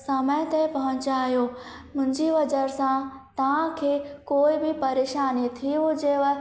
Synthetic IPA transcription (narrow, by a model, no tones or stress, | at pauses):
sɐmə̃t̪epɐɦʊ̃ɲt͡ɕaːɦijoː | mʊ̃ɦɪ̃ɲd͡ʑiʋɐd͡ʑəɾsãt̪ɐʋ̤ãkʰeːkoːɪbɪpɐɾeːʃaːnit̪ʰiũd͡ʑeːʋ